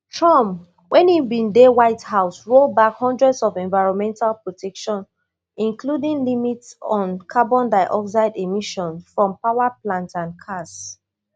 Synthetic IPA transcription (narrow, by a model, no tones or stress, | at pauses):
tʰɹɔ̃m | wʔɛ̃nibĩndewaɪthaʊsɹobakhɔ̃ndɹɛdsɔvɛ̃nvaɪɹɔ̃nmɛ̃ntalpɹɔtʰɛkʃɔ̃n | ĩnkludĩŋlimitsɔ̃nkʰabɔ̃ndaɪʔɔks̬aɪdemiʃɔ̃nfɹɔ̃mpawaplãntãnkʰas